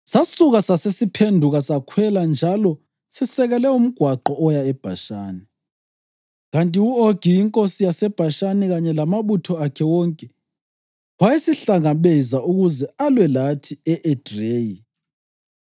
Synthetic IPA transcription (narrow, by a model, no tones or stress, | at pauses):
sasuɣasasesipʰendʱuɣasakʰwɛland͡ʒʱalɔ | sɛsɛɣɛlɛum̩ɡ̥ʱwaǃɔɔjaɛb̥ʱa̰ʃaːni | ɣantʼiuoɡ̥ʱijiŋkʼosijasɛb̥ʱaʃaniɣaɲɛlamaβutʰɔakʰɛwɔŋkʼɛ | wajesiɬaŋaβɛzaʔuɣuzɛalwɛlatʰiɛʔɛd̥reːji